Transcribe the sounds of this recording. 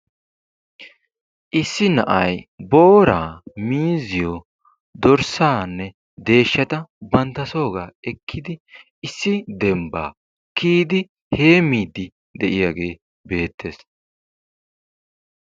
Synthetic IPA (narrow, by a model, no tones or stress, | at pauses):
ʔɪsːɪnɐʔɐjbo̞ːɾaːmiːzɪjo | d̪ɔɾsaːnːɛ | d̪e̞ːʃːɐt̪ɐbɐnt̪ːɐso̞ːɡaːɛkʰːɪd̪ɪ | ɪsːɪd̪ɛmba̰ː | kiːd̪ɪ | he̞ːmiːd̪ːɪ | d̪ɛʔɪjaɡe̞ː | be̞ːt̪ʰːe̞ːs